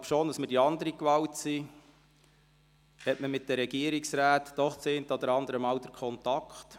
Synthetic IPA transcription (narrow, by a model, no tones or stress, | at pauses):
lɑbʃoːnd̪ɑsmɪdiɑnd̪əɾikʋɑwtsi | hɛtməmɪt̚d̥̪əɾɛɡiəɾiksɾæːt̪d̥ɔχt͡sent̪əɔd̪əɾɑnd̪əɾəmɑwd̪əɾkʰχɔnt̪ɑkχt